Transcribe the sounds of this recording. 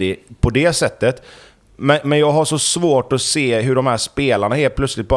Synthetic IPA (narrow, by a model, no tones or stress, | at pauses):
ɪpʰɔd̪ɛsɛt̪ːət̪ | mɛnmɛnjɑːɡɦaʂɔsvoːʈɔseːɦɵɖɔmhæːʂpeːlaɳaheːlt̪̚plœt̪slɪt̪̚bɑː